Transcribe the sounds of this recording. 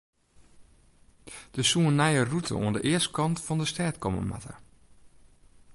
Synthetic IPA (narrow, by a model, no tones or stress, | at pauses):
d̥əsuənːɛjərutʰə̰ʔṵəndəʔɪəst̚kɑntfɔndəstɛːtkɔmə̰ma̰tʰə̰r